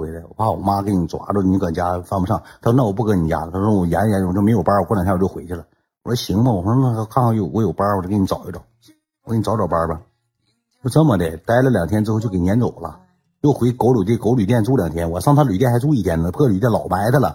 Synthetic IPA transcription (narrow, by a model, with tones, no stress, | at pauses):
we˧˥ɪlə˧wɔ̰˨˩pʰa˥˩wɔ̰˨˩ma˥ke˧˥ni˨˩t͡swa̰˧˥ʈ͡ʂə˥˩˧ni˧˥kə˨˩t͡ɕja˥fɑ˥ŋfu˧˩ʂɑ˥˩ŋt̪ʰa˥ʂwɔ˥n˥˩wpu˥˩kɤ˧˥ni˨˩t͡ɕja̰˥˧t̪ʰa˥ʂɔ˥wɔ˨˩jɛ˧˥n˨ja˧˥n˨˩t͡ɕo˥˩me˧˥ɪjo˨˩pa˥wk̪ʰjjo˥˩xwe˧˥ɪt͡ɕʰy˥˩la˨˩˦ | wɔ˨˩ə˥ɕi˧˥ŋbə˧˩wɔ˨˩˥kʰa˥˧nxɑ˥˧jo˥˩wɔ˧˥jo˨˩ʊpa˥wɔ˨˩˥kni˧˥t͡sɑ˨˩ʊi˥ʈ͡ʂɑ˨˩˦ | wke˧˥n˨˩ɑ˧˥ʊ˥ʈ͡ʂɔ˨˩pa˥bɐ˨ | jo˥˧ʊʈ͡ʂə˥nmə˨˩d̪ə˨˩t̪a˥ɪlə˧˨ljɑ˨˩ŋt̪ʰjnʈ͡ʂɻ̩˥o˥˧t͡ɕo˥˧˩ke˧˩nʲjɛ˧˥nt͡so˨˩ʊlɐ̰˦ | jo˥˩ʊxwe˧˥ɪko˧˥ʊlu˨˩t̪̬i˥˩ko˧˥ʊly˨˩t̪jɛ˥˧nt͡su˥ljɑ˨˩ŋt̪ʰjɛ˥nwɔ˨˦ʂɑ˥˧ŋt̪ʰa˥ly˨˩t̬jɛ˥˩nxt͡su˥˧˥i˥˩t̪ʰjɛ˥nə˧pu˥˧˥ly˨˩t̪̬ɛ˥˩lɑ˨˩ʊpa˧˥ɪd̪ə˧˩lə̰˩